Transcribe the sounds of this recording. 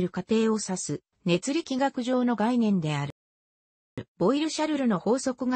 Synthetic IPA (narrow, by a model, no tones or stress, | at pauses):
ɾɯ̟kat̪e̞ːo̞sasɨ | ne̞t͡sɨɾʲikʲiɡakɯ̟ʑo̞ːno̞ɡainẽ̞nd̪e̞aɾ | b̥o̞iɾɯ̟ɕaɾɯ̟ɾɯ̟no̞ho̞ːso̞kɯ̟ɡa